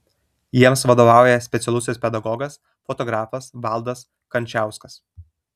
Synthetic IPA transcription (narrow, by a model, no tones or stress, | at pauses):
jiɛmsʋɐd̪oːʋɑˑʊjɛsʲpʲɛt̪sʲɛlˠʊsʲɪsʲpʲɛd̪ɐɡɔɡɐs | fɔt̪ɔɡɾɑːfɐsʋɑˑlˠd̪ɐs | kɐnʲt͡ʃʲæˑʊskɐs